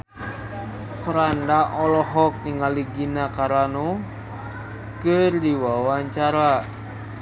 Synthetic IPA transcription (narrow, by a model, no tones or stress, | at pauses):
kɾandaʔɔlɔɦɔk̚niŋaliɡinakaɾano | kərdiwawaɲt͡ʃaɾa